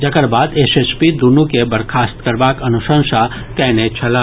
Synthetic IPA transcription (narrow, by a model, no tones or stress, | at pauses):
d͡ʒɐkəɾbaːd̪eːseːspid̪unũkebɐɾkʰaːst̪kɐɾbaːkɐnʊʃə̃nʃa | kɛːnet͡ʃʰɐlaː